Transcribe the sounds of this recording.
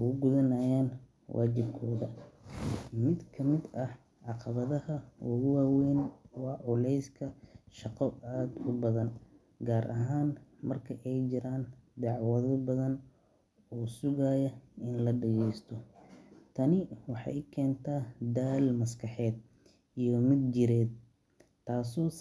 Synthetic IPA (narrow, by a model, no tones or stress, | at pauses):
ʊɣʊɡʊðɐnajaːn | wʔa̰ːt͡ʃɪbkʰɔːðɐ | mɪd̪kʰɐmɪd̪ɐh | ʕɑqɑβɐðɐhɐwʊɣʊwaːwɛːnwɑːʕʊlɛjskʰɐʃɑqɔaːd̪ʊbɐðɐn | ɡaːɾʔɐ̰ɦaːnmɐrkʰɐʔɛjt͡ʃɪɾaːnd̪ɑʕwɐðɐbɐðɐn | ɔːsʊɣaːjɐɪnlɐɖɐɣɛjst̪ʰɔt̪ʰɐnɪwɑħɑ̰jkʰɛːnt̪ʰaːd̪aːlmɐskʰɑħɛːd̪̚ | ijɔmɪd̪̚d͡ʒɪɾɛːd̪̚ | t̪ʰːaːsɔː